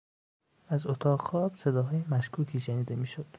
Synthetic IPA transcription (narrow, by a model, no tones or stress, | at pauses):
æzot̪ʰɒːʁxɒːb̥se̞d̪ɒːɦɒːjemæʃkʰuːkʰiːʃeniːd̪e̞miːʃod̪̥